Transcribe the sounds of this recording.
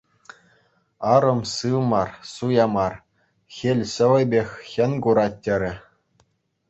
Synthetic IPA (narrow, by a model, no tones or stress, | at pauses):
ɑɾɤ̆msɯlmɑrsujɑmɑr | xʲelʲɕɘ̆ʋʲɘ̆bʲexʲxʲɘ̆nʲɡuɾɑtʲːɘ̆ɾʲɘ̆